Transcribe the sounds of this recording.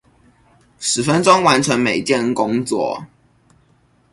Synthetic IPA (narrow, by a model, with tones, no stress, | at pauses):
ʂɻ̩˨˩fə˦nʈ͡ʂʊ˥ŋwa˧˦nʈ͡ʂʰɤ˧˥ŋme˨˩ɪt͡ɕjɛ˥˨nkʊ˥ŋt͡swɔ̰˥˩